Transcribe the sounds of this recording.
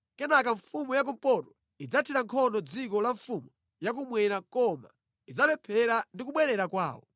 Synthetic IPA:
kɛnakaɱfumujak̬um̩pɔtɔ̥ | id͡zatʰiɾaŋkʰɔndɔd͡zikɔlaɱfumu | jak̬umwɛɾakɔma̰ | id͡zalɛpʰɛɾandik̬uɓwɛɾɛɾakwa̰ːwɔ̰

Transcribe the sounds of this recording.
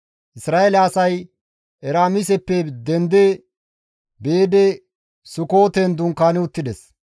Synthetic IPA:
ʔɪsɾaːelaːsɐj | ʔɛɾaːmɪs̬ɛpːɛd̪ɛnd̪ɛ | beːd̪ɛ | sʊko̞ːt̪ɛnd̪ʊŋkaːnɪʊt̪ːɪd̪ɛs

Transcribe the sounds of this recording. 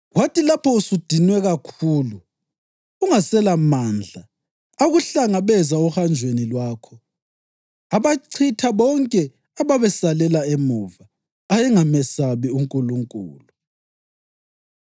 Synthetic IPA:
watilapʰɔusud̥ʱinwɛɣakʰuːluː | ŋasɛlamaːnd͡ɮʱa | aɣuɬaŋaβɛzauhand͡ʒʱwenilwaːkʰɔ | aβaǀʰitʰaβɔŋkʼɛ | aβaβɛsalɛlaemuvaː | jɛŋamɛsaβiuŋkʼuluŋkʼṵːlu

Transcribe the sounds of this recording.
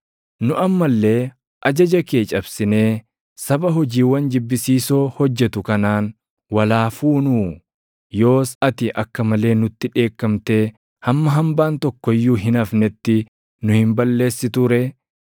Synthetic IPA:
nʊʔɐmːɐlːe̞ː | ʔɐd͡ʒɐd͡ʒɐkeːt͡ʃʼɐbsɪne̞ː | sɐbɐɦɔd͡ʒiːwɐnd͡ʒɪbːɪsiːso̞ːhɔd͡ʒːɛt̪ʊkɐnaːn | wɐlaːfuːnuː | jo̞ːsɐt̪ɪʔɐkːɐmɐle̞ːnʊt̪ːɪᶑe̞ːkːɐmt̪e̞ː | hɐmːɐɦɐmbaːnt̪ɔkːɔɪjːuːɦɪnɐfnɛt̪ːɪ | nʊhɪmbɐlːe̞ːsːɪt̪ʊɾɛ

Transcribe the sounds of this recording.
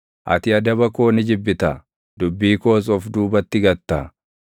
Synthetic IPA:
ʔɐ̰t̪ɪɐd̪ɐbɐkoːnɪd͡ʒɪbːɪt̪ɐ | d̪ʊbːiːko̞ːs̬ɔfd̪uːbɐt̪ːɪɡɐt̪ːaː

